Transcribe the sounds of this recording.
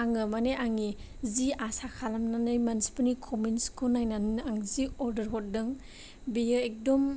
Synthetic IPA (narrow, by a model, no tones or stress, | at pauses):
aŋɯmaneʔaŋi | ziasakʰalamnanɯjmansi̥pɯnikʰɔminskʰonajnannaŋziɔɾdɐɾɦɔt̚dɯŋ | bejɯek̚dɔm